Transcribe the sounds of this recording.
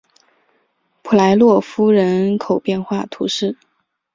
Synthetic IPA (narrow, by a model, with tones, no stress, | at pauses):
pʰu˨˩la˧˥ɪlwɔ˥˩fu˥ɻə˧˥nkʰo˨˩ʊpjɛ˥˧nxwa˥˩t̪ʰu˧˥ʂɻ̩˥˩